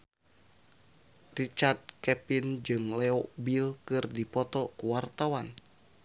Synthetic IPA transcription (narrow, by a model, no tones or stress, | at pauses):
rit͡ʃard̪̚kɛpind͡ʒɨŋlɛɔbilkɨrdipɔt̪ɔkuwart̪awan